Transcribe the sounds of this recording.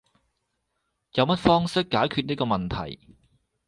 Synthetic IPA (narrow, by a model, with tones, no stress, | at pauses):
jɐ˨˧wmɐ˥t̚fɔː˥ŋsɪ˥kːaː˨˥jkʰyː˧t̚niː˥kɔː˧mɐ˨nt̪ʰɐ̰˨˩j